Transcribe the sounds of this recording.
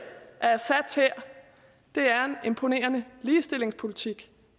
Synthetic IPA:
ʔæɐsæd̥sheɐ̰ | d̥e̝æɐe̝ne̝mpʰo̝ne̝̰ːɐnəliːsd̥e̝le̝ŋspʰo̝lit͡sʰiɡ̥

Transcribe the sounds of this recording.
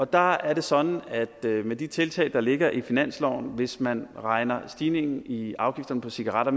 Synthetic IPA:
ɒ̽d̥ɑ̈æɐɾe̝sɒ̽n̥n̩æd̥med̥it͡sʰe̝lt͡sʰɛ̰ɪd̥ɑ̈le̝ɡ̥ɐʔifinæn̰slɒʊ̰nʋe̝smænʁɑ̈ɪnɐsd̥iːne̝ŋn̩iɑ̈ʊɡ̥ifd̥ɐnəpʰɒ̽siɡ̥ɑʁɑ̈ɾ̥ɐ

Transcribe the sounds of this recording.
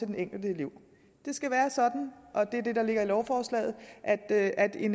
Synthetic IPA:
e̝d̥eneŋ̰ɡ̥l̩d̥əliʊ̰ | d̥e̝sɡ̥æʋæːɐsɒ̽d̥n̩ʔɒ̽d̥e̝æɐd̥e̝dɑ̈le̝ɡ̥ɐilɒʊfɒːslɛ̰ːð̞̩ˠʔæd̥æd̥e̝n

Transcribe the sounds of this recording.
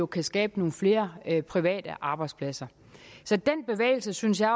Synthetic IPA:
o̝kʰæsɡ̥ɛːb̥əno̝ːn̩fle̝ːɐpʰʁiʋɛ̰ːd̥əʔɑ̈b̥ɑ̈ɪd̥spʰlæsɐ | sɒ̽d̥en̰b̥e̝ʋḛːɪl̩səsynsjɑ̈ɪ

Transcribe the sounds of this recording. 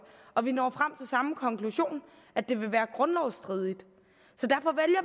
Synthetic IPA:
ɒ̽ʋinɒ̰ːfʁam̰t͡sʰe̝lsɑ̈məkʰɒ̽ŋkʰluɕo̝̰ːn | ʔæd̥e̝ʋe̝ʋæːɐɡ̥ʁɔ̽nɒʊsd̥ʁið̞ˠid̥ | sɒ̽d̥æɐfɒ̽ʋeljɐ

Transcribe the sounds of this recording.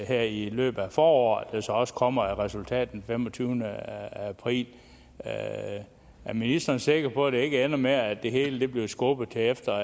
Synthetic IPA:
heɐ̰ilø̰ːb̥ð̩ˠæfɒːɒ̰ːd̥æsɒ̽ɒ̽sə̥kʰɒ̽m̰ɐæʁɛsult͡sʰɛ̰ːd̥n̩femɒt͡sʰyːʊnəæpʰʁḭːl | ʔæɐminisd̥ɐːnse̝ɡ̥ɐpʰɒ̽d̥e̝e̝ɡ̥əenɐme̝ɐæd̥e̝ɦe̝ːləd̥e̝b̥liʊsɡ̥ɔb̥ð̩ˠt͡sʰeefd̥ɐ

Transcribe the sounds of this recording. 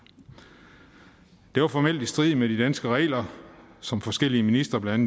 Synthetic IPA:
d̥e̝ʋɑfɒmel̰d̥isd̥ʁið̰ˠmeɾ̥id̥ænsɡ̥əʁɛ̰ːlɐsɒ̽mfɒ̽sɡ̥el̰iəminisd̥ʁɐblææn

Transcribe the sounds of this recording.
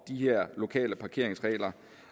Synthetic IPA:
d̥iheɐ̰lo̝kʰɛ̰ːləpʰɑ̈kʰe̝ɐ̰eŋsʁɛ̰ːlɐ

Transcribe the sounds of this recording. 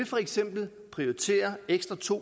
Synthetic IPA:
efɒ̽eɡ̥sem̰b̥l̩ | pʰʁioit͡sʰe̝̰ːɐeɡ̥sd̥ʁɐt͡sʰo̝̰

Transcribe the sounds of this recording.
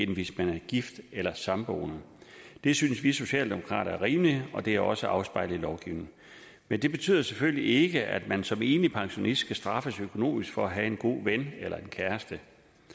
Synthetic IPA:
enʋe̝smænæɐɡ̥ifd̥elɐsɑ̈mb̥o̰ːnə | d̥e̝synsʋiso̝ɕɛ̰ːld̥e̝mo̝kʰʁɑ̰̈ːɾɐæɐʁiːmliɒ̽d̥e̝æɒ̽səʔɑ̈ʊsb̥ɑ̈ɪlð̩ˠilɒʊɡ̥iʊ̰neŋ̩ | mend̥e̝b̥e̝t͡sʰy̰ð̰ˠɐseføllie̝ɡ̥əʔæ̰d̥mænsɒ̽me̝̰ːnlipʰɑ̈ŋɕo̝nisd̥ɡ̥ʰæsd̥ʁɑ̈fəsøkʰo̝no̝̰ːmisɡ̥fɒ̽æɦæe̝nɡ̥o̝̰ːʋenelɐe̝nkʰæɐsd̥ə

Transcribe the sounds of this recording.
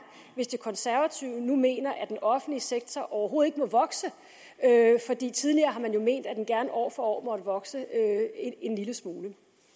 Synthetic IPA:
ʋe̝sd̥e̝kʰɒ̽nsæɐʋæt͡sʰiʊ̰nume̝̰ːnɐʔæd̥enɒ̽fn̩liseɡ̥̚t͡sʰɒʔɒʊɐɦo̝ːð̩ˠeɡ̥əmɒ̽ʋɒ̽ɡ̥sə | øfɒ̽d̥ḭːt͡sʰið̞ˠliɐːɦɑ̈mænjo̝me̝̰ːnd̥æd̥enɡ̥æɐnəʔɒ̰ːfɒɒ̰ːmɒ̽ɾ̥əʋɒ̽ɡ̥səøee̝nliləsmuːlə

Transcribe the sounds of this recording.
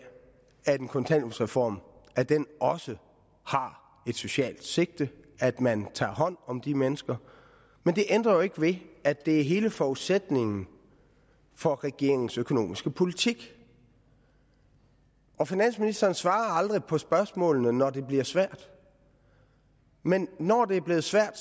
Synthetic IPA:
æd̥enkʰɔ̽nt͡sʰæn̰usʁɛfɒ̰ːmʔæd̥enɒ̽sə | hɑ̈ | e̝d̥so̝ɕɛ̰ːld̥se̝ɡ̥̚d̥əæd̥mænt͡sʰɑ̰̈ːɦɒ̽n̰ɒ̽md̥imenəsɡ̥ɐ | mend̥e̝ʔend̥ʁɐjoe̝ɡ̥əʋe̝æd̥e̝æɐɦe̝ːləfɒuð̥sed̥ne̝ŋn̩ | fɒ̽ʁɛɡ̥e̝ɐ̰eŋ̩søkʰo̝no̝̰ːmisɡ̥əpʰo̝lit͡sʰiɡ̥ | ʔɒ̽finæn̰sminisd̥ɐːn̩sʋɑ̈ːɐɑ̈ld̥ʁipʰɒ̽sb̥ɶɐsmɔ̰̽ːlnənɒd̥e̝b̥liɐsʋæɐ̰d̥ | menːɒd̥e̝æɐb̥le̝ːð̞̩ˠsʋæɐ̰d̥

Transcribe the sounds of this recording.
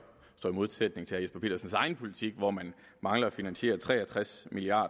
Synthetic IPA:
sd̥ɒ̰ːimo̝ð̞ˠsed̥̚ne̝ŋt͡sʰe̝æɐjesb̥ɐpʰe̝̰ːdɐsn̩sɑ̈ɪn̩pʰo̝lit͡sʰiɡ̥ʋɒmæn | mɑ̈ŋlɐɒfinænɕe̝̰ːɐt͡sʰʁɛ̰ːæt͡sʰʁasmiliɑ̰̈ːd

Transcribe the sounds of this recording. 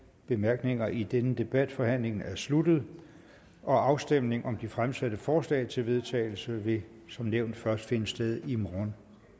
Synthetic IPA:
b̥e̝mæɐɡ̥ne̝ŋɐʔid̥enəd̥e̝b̥æd̥fɒ̽hæn̰le̝ŋn̩æɐslud̥ð̞̩ˠ | ɒ̽ɑ̈ʊsd̥em̰ne̝ŋɒ̽md̥ifʁamsæd̥əfɒːslɛ̰ɪt͡sʰe̝lʋe̝ð̞ˠt͡sʰɛ̰ːɪl̩səʋe̝ | sɒ̽mneʊ̰nd̥fɶɐsd̥fe̝nəsd̥eð̞ˠimʁɔn

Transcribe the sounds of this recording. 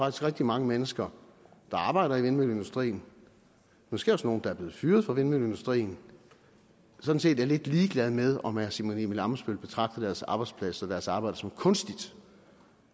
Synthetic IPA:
fɑɡ̥isɡ̥ʁɛɡ̥̚d̥imɑ̈ŋəmenəsɡ̥ɐd̥ɑ̈ɑ̈ːb̥ɑ̈ɪ̰ɾ̥ɐiʋenmøle̝nd̥usd̥ʁḭːn | mosɡ̥e̝̰ɒ̽sno̝ːn̩d̥ɑ̈æɐble̝ːð̩ˠfyːɐð̞ˠfɑ̈ʋenmøle̝nd̥usd̥ʁḭːn̩ | sɒ̽d̥n̩se̝̰ːd̥æɐle̝d̥liːɡ̥lɛð̞ˠmeð̞ˠɒ̽mæɐsimonḭmelɑ̈məsb̥ølb̥e̝t͡sʰʁɑ̈ɡ̥d̥̩d̥æɐsɑ̈ːb̥ɑ̈ɪd̥spʰlæsɒd̥æɐsɑ̈ːb̥ɑ̈ɪd̥ɐsɒ̽mkʰɔ̽nsd̥id̥

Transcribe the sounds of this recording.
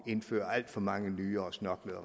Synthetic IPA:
e̝nfø̰ːɐæl̰d̥fɒ̽mɑ̈ŋənyːɐɒ̽snɒ̽ɡ̥ləð̩ˠʁ

